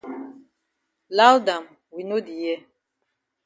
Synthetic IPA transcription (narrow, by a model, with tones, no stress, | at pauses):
la˦lda˨m | wi˨no˦di˨jɛ˦